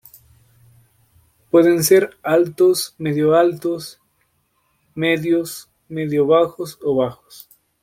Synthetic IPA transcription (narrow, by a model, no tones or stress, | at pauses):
pwe̞ðense̞ɾalt̪osmeðjoalt̪os | meðjos | meðjoβaxosoβaxo̥s